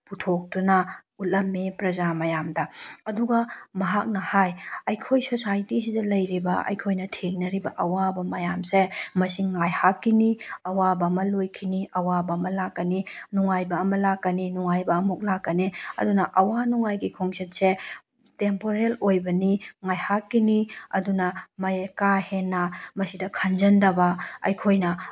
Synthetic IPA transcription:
putʰok̚dunɐutlːɐmːipɾɐzamɐjamdɐɐduɡɐmɐɦak̚nɐhajɐjkʰojsosajtis̬idɐlɐjɾibɐɐ̰jkʰojnɐtʰeŋnɐɾibɐ̰ʔɐwabɐmɐjamsemɐsiŋːajhakːiniɐwabɐmɐlojkʰiniʔɐwabɐːmɐlakːɐninuŋajbɐːmɐlakːɐninuŋajbɐːmuk̚lakːɐniɐ̰dunɐʔɐwanuŋajɡikʰoŋset̚se | tempoɾelojbɐniŋajhakːiniɐ̰dunɐmɐjekahenːɐmɐsidɐkʰɐnd͡ʒɐndɐbɐɐ̰jkʰojnɐ

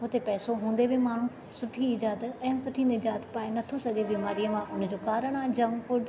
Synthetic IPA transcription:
ʊt̪epɛːsoɦũːn̆d̪ebemaːɳ̤ũ | sʊʈʰiɪd͡ʑaːd̪əɛ̃ːsʊʈʰĩnɪd͡ʒaːt̪paːenɐt̪ʰosɐɡebiːmaːɾijəmãʔʊnd͡ʑoːkaːɾəɽ̃ãd͡ʑɐ̃ŋɡfʊɖ

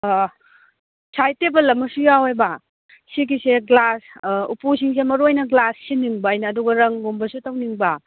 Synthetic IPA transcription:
sajtebɐlːɐmːɐsujawejbɐ | sikiseɡlasṵpusiŋs̬emɐɾojnɐɡlasːiniŋbɐːjnɐːduɡɐɾɐŋɡombɐsutɐwniŋbɐ

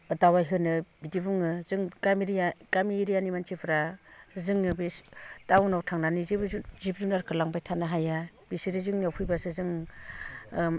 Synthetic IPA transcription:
adawajɦɯnɯbidibuŋɯzɯŋɡamiɾiaɡamiɾijanimant͡ʃʰipʰɯɾazɯŋɯbestawnawtʰaŋnanizibɯzuzibɾunaɾkʰɯlaŋbajtʰanaɦaja | b̥isiɾɯzɯŋniawpʰujbasɯzɯŋ

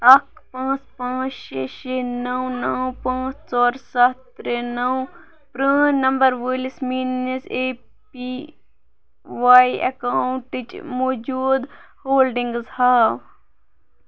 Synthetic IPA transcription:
ɐkpãːt͡spãːt͡ʃʃeːʃenɐwnɐwpãːt͡st͡sɔːɾsɐt̪ɾenɐw | pɾə̃ːnɐmbɐɾʋəlismiːneseː | pi | ʋaːiɐ̰kaːwɳʈit͡ʃmoːd͡ʒuːd̪hoːlɖĩŋɡzhaːw

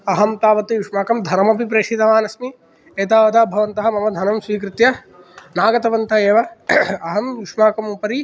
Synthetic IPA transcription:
ɐɦɐmt̪aːʋɐt̪ːijuʂmaːkɐmd̪ʱɐɾmɐpip̬ɾeːʂit̪ɐʋaːnɐsmi | eːt̪aːʋɐd̪aːbʱɐʋɐnt̪ɐɦɐ̆mɐmɐd̪ʱɐnɐmswiːkɾɪt̪jɐ | naːɡɐt̪ɐʋɐnt̪ɐeːʋɐɐɦɐmjuʂmaːkɐmupɐɾi

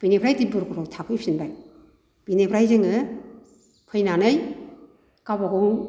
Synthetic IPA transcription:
b̥inepʰɾajdibɯɾɡɔɾɔktʰapʰɯjpʰinbaj | b̥inepʰɾajzeŋɯ | pʰɯjnanɯj | kabaɡɯŋ

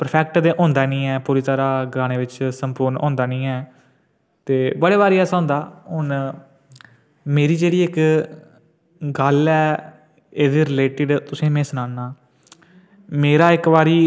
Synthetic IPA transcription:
pəɾpʰɛːk̚ʈd̪ẽːʔõːnd̪aːnĩːɛːpuːɾiːt̪əːɾaːɡɾaːñeːʋɪt͡ʃsəmpʊːɾnõ̰ːnd̪aːnĩːɛː | t̪eːbəɽeːʋaːɾiːɛːsãːnd̪aːɦʊn | meːɾiːd͡ʒeːɽiːɪk | ɡəlɛː | eːd̪iːɾɪleːʈɪɖt̪ʊsĩːmẽːsənãːnaː | meːɾaːɪkʋaːɾiː

